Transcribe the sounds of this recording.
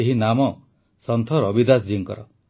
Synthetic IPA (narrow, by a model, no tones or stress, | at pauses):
eɦinamɔ | sɔnt̪ʰɔɾɔbid̪asd͡ʒiŋkɔ̰ɾɔ